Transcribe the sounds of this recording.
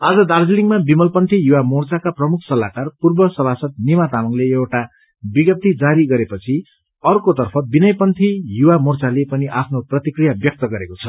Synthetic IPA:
ad͡zʌd̪ard͡ziliŋmabimʌlpʌnt̪ʰijuwamort͡sakaprʌmukʰsʌlakarpurbʌsʌbʱasʌt̪̚nimat̪amʌŋleewʈa | biɡʌp̚t̪id͡zaɾiɡʌɾepʌt͡sʰi | ʌrkot̪ʌrpʰʌbinʌjpʌnt̪ʰijuwamort͡salepʌniʔapʰnoprʌt̪ikrijabjʌk̚t̪ʌɡʌɾekot͡sʰʌ

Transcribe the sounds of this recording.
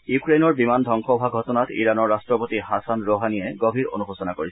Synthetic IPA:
jukɹenɔɹbimandʱɔŋxɔbʱaɡʱɔtɔnatḭɹanɔɹːastɹɔpotihasanɹoɦaniɛɡobʱiɹo̰nubɔsɔnakoɹisɛ

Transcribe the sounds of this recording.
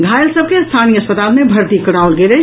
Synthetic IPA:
ɡʱaːjəlsəb̚kest̪ʰaːniəɐspət̪aːlmẽbʱɐɾt̪ikɐɽaːʊlɡeɾe

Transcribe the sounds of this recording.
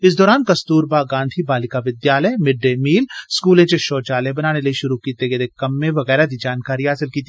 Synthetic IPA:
ɪs̬d̪ɔːɾaːnkɐst̪uːɾbaːɡãːnd̪ʱʰibaːlɪkaʋɪd̪jaːləjmɪɖːemiːlskuːlẽt͡ʃeʃoːt͡ʃaːlebɐnaːnelɐiʃʊɾukiːt̪eɡed̪ekɐmːẽʋɐɣɛːɾad̪id͡ʒaːnkaːɾiɦaːsɪlkiːt̪i

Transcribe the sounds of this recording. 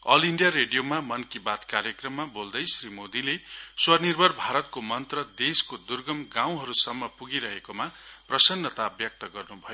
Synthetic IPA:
ʌ̰liɳɖijaɾeɖijomamʌnkibat̪kaɾjʌkrʌmːabold̪ʌjsrimod̪ileswʌnirbʱʌrbʱaɾʌt̪̚komʌnt̪rʌd̪eskod̪urɡʌmɡãw̃ɦʌɾusʌmːʌpuɡiɾʌɦekomaprʌsʌnːʌt̪aːbjʌk̚t̪ʌɡʌrnubʱʌjo

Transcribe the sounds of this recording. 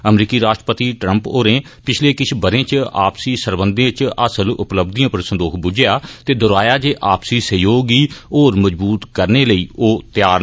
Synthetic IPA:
əmɾiːkiːɾaːʃʈɾəpət̪iːʈɾə̃mpoːɾẽː | pɪt͡ʃʰleːkɪt͡ʃʰbəɾẽːt͡ʃa̰ːpsiːsəɾbənd̪ẽːt͡ʃəsəlʊ̰pləbd̪ijãːpəɾsənd̪oːkʰbʊd͡ʒejaːt̪eːd̪ʊɾaːjaːd͡ʒeːʔaːpsiːsəjoːɡiːoːɾməd͡ʒbuːt̪kəɾneːləiːoːt̪jaːɾ

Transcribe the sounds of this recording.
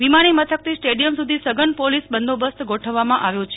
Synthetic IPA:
ʋimaɽ̃imət̪ʰək̚t̪isʈeɖijəmsud̪ʱisəɡənpolisbənd̪ʱobəst̪ɡoʈʰəʋːamãʔaʋjõt͡ʃʰe

